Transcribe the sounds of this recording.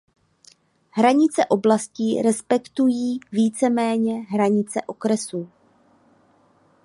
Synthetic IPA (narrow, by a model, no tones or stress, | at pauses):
ɦɾaɲɪt͡sɛʔo̞blasciːɾɛspɛkt̪ujiːviːt͡sɛmɛːɲɛɦɾaɲɪt͡sɛ̰ʔo̞kɾɛsuː